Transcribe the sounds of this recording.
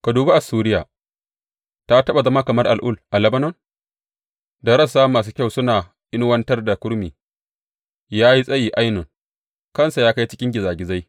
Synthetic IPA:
ka˨duː˨ba˦ʔa˨suː˦ɾɪ˦jaː˨ | ta˦tɐ˦ɓa˨zɐ˦ma˦kɐ˨mɐ˦rʔa˨lʔʊ˦˨lʔa˨lɐ˦bɐ˦nɔ˦n | da˨ɾɐ˦saː˦maː˨s̬uː˦kʲa˦˨wsʊ˦naː˨ | ʔɪ˦n˦wɐ˦ntɐ˦rda˨kʷʊ˦ɾmiː˨ | jaː˦ji˦sʼɐ˦jiː˨ʔa˦jnʊ˨ŋ | kɐ˦nsa˨jaː˦ka˦jt͡ʃɪ˦kʲɪ˦ŋɡʲɪ˨zaː˨ɡʲɪ˨za˦j

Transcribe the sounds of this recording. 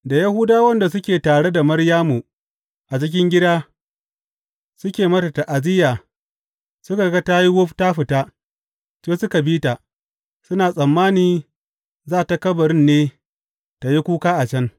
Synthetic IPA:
da˨ja˦hu˦daː˦wɐ˦nda˨s̬ʊ˦kʲeː˨taː˨ɽe˦da˨mɐ˦ɽjaː˦mu˨ | ʔa˨t͡ʃɪ˦k̬ʲɪ˦ŋɡʲɪ˦daː˦ | sʊ˦kʲeː˨mɐ˦ta˨ta˨ʔa˨zɪ˦jaː˨ | sʊ˦ka˨ɡa˦ta˦ji˦wʊ˦ɸta˦ɸɪ˨ta˦ | t͡ʃeː˦sʊ˦ka˨biː˦ta˨ | sʊ˦naː˨sʼɐ˨mːaː˦niː˨ | zaː˦˨ta˨kɐ˦bɐ˨ɽɪ˦nːeː˦ | ta˨ji˦kʷuː˦kaː˦ʔa˨t͡ʃɐ˦n

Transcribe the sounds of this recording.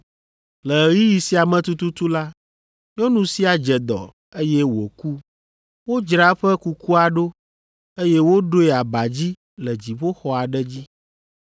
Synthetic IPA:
lɛ˨ɣi˦ji˨si˦a˨mɛ̃˨t̪u˦t̪u˦t̪u˦la˦ | ɲɔ̃˦nũ˦si˦a˨d͡ʒɛ˨d̪ɔ̰˨ | e˦jɛ˦wo̰˨ku˦ | wo˦d͡ʒɾa˦ɸɛ˦ku˦ku˦a˨ɖo˦ | e˦jɛ˦wo˦ɖo˦ɛ˨a˨ba˨d͡ʑi˦ | lɛ˨d͡ʑi˨βo˦xɔ˨a˨ɖɛ˦d͡ʑi˦

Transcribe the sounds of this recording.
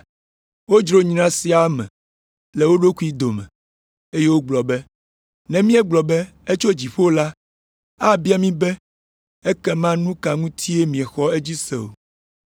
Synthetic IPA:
wo˦d͡ʒɾo˦ɲĩ˦nã˦si˦a˦mɛ̰̃˨ | lɛ˨wo˦ɖo˦ku˦i˦d̪o˨mɛ̰̃˨ | e˦je˦wo˦ɡ͡blɔ˨bɛ˦ | nɛ̃˨mĩ˦ɛ˦ɡ͡blɔ˨bɛ˦ | e˦t͡ʃo˦d͡ʑi˨ɸo˦o˦la˦ | a˦bi˦a˦mĩ˦bɛ˦ | e˦kɛ˦mã˦nũ˦ka˨ŋũ˦t̪ʰi˦e˦mĩ˨ɛ˨xɔ˦e˦d͡ʑi˦sɛ̰˨o̰˨

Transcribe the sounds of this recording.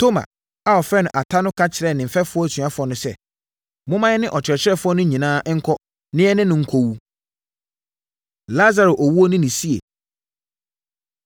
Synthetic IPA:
tʰo˦mã̰˨ | a˨ɔ˨fɾɛ˦nʊ̃˨ʔa˨tʰa˦nʊ̃˦kʰa˦t͡ɕʰɪ˨ɾɛ˨nɪ̃˨m̩˨fɛ˦fʊ˦ɔ˦æ˨sɥã˦fʊ˨ɔ˦nʊ̃˦sɛ̰˦ | mʊ̃˦mã˦ɛ˦nɪ̃˦ʔɔ˨t͡ɕʰɪ˨ɾɛ˨t͡ɕʰɪ˦ɾɛ˦fʊ˦ɔ˦nʊ̃˦ɲĩ˨nãː˦ʔŋ̩˦kʰɔ˦ | nɪ̃˦ɛ˦nɪ̃˦nʊ̃˨ŋ̩˨kʰo˨wu˦ | la˦za˨ɾo˨ʔɔ˨wu˦o˦nɪ̃˦nɪ̃˨si˦ḛ˨

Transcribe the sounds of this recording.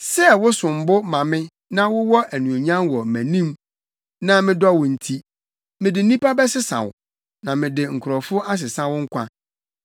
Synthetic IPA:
sɛ˦wʊ˦sʊ̃˨m̩˨bʊ˦mã˨mɪ̃˦ | nã˦wʊ˦wɔ˦ʔæ˨nũ˨a˨ɲã˦nwɔ˨mæ̃˨nĩ˦m | nã˦mɪ̃˦dɔ˦wʊ̃˨n̩˨tʰi˦ | mɪ̃˨dɪ˨˦nĩ˦pa˦bɛ˦sɪ˦sã̰˨wʊ̰˨ | nã˨mɪ̃˨dɪ˨ŋ̩˨kʰʊ˨ɾɔ˨fʊ˦ʔa˦s̬ɪ˨sã˦wʊ˦ŋ̩˦kʰʷã˦

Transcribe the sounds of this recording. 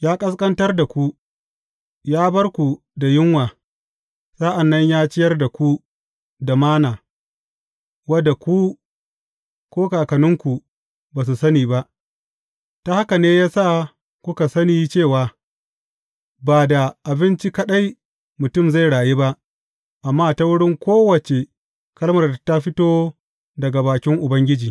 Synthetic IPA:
jaː˦kʼɐ˦s̬kʼɐ˦ntɐ˦rda˨kʷu˦ | jaː˦bɐ˦rkʷu˨ | da˨jɪ˦ŋwaː˨ | sa˦ʔa˨nːɐ˦ɲjaː˦t͡ʃɪ˦jɐ˦rda˨kʷu˦ | da˨maː˦naː˨ | wɐ˦da˨kʷu˦ | kʷoː˦kaː˨kɐ˨nɪ˦ŋkʷu˨ | baː˨s̬u˨sɐ˦niː˨ba˦ʔ | ta˦ha˦ka˨neː˦jaː˦sa˦˨ | kʷʊ˦ka˨sɐ˦niː˦t͡ʃeː˦˨waː˨ | baː˨da˨ʔa˨bɪ˦nt͡ʃi˦kɐ˦ɗa˦j | mʊ˨tʊ˦mza˦˨jɽaː˨je˦ba˦ʔ | ʔa˨mːaː˦ta˦wʊ˦ɽɪ˦ŋkʷoː˦wɐ˨t͡ʃe˨ | kɐ˦lmɐ˨rta˦ɸɪ˦toː˦ | dɐ˨ɡa˨baː˨kʲɪ˦ŋʔʊ˨bɐ˦ŋɡʲɪ˦d͡ʒiː˨

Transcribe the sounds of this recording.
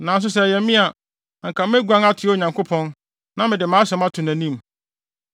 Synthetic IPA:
nã˨ns̬ʊ˦s̬ɛ˦˨jɛ˨˦mĩ˦a˨ | ŋ̩˨kʰã˨m˦ɛ˦ɡʷã˦ŋa˦tʰɪ˨˦ɔ˦˨ɲã˨ŋkʰo˦pʰɔ̃˦n | nã˦mɪ̃˨dɪ˨mãː˨˦sɛ˨˦ma˦tʰʊ̃˨næ̃˨nĩ˦˨m

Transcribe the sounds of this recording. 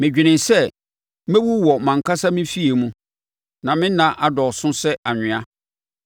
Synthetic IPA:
mɪ̃˨d͡ʑᶣi˨nɪ̃˨nsɛ˦ | mẽ˦wu˦wɔ˨mã˨ŋ˨kʰa˦sa˦mɪ̃˦fi˦e˨mũ˦ | nã˨mɪ̃˦nã˨ʔa˨dɔ˨sʊ̃˦sɛ˦a˨ɲᶣɪ̃˨a˦

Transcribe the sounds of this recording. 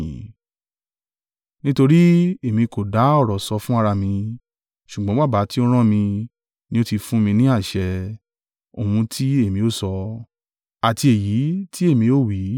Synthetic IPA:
ĩ˨ | nĩ˦to˧ɾi˦e˨mĩ˧ko˨da˨˦ɔ˦˨ɾɔ˨sɔ˨˧˦fũ˦a˧ɾa˧mĩ˧ | ʃu˨ɡ͡bɔ̃˨˦ɡ͡ba˦˨ba˨˦ti˦ɔ˧ɾ̃ɔ̃˦˨mĩ˧ | nĩ˧˦o˦ti˧fũ˦mĩ˧nĩ˦a˦˨ʃɛ˧ | o˨hũ˧tʰi˦e˦˨mĩ˧o˦˨sɔ˧ | a˨ti˧e˨ji˨˦ti˦e˦˨mĩ˧o˦˨wi˨˦

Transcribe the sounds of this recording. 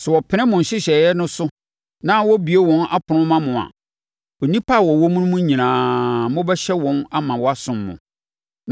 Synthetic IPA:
sɛ˨wɔ˨pʰɪ˦ɾɛ̃˦mʊ̃˨n̩˨ɕɪ˦ɕɛ˨jɛ˦nʊ̃˦sʊ˦ | nã˦wɔ˦bi˨e˦wɔ̃˨˦nʔa̰˦pʰʊ˨ʊ̃˦mã˦mʊ̃˨a̰˨ | ɔ˨nĩ˦pʰa˦˨wɔ˨wɔ˦mũ˦nʊ̃˦mʊ̃˦ɲĩ˨nãː˨mʊ̃˦bɛ˦ɕɛ˦wɔ̃˦na˦mã˨wɔ˦a˦sʊ̃˨mːʊ̰̃˨

